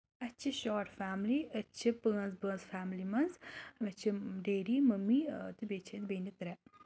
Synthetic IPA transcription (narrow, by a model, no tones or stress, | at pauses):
ɐt͡ʃʰiʃɔːʈfaːmliɐt͡ʃʰipəɐ̃nzbənzfaːmlimɐnzmɐt͡ʃʰiɖeːɾimɐmit̪ɨbet͡ʃʰet̪beːnit̪ɾɛ